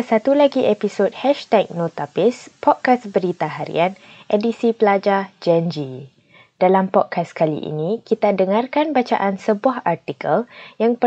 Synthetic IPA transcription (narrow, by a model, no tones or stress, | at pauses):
sat̪ulaɡiʔepisot̚hɛʃt̪ɛk̚not̪apispɔd̚kasbəɾit̪aɦaɾḭanʔedisipəlad͡ʒad͡ʒɛnd͡ʒi | d̥alampɔt̚kaskalḭʔḭnĩkit̪adəŋarkanbat͡ʃa̰ʔansəbuahart̪ikəljaŋpə